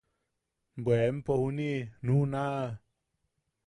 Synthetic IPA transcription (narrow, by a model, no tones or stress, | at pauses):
bɛmpohuninunaː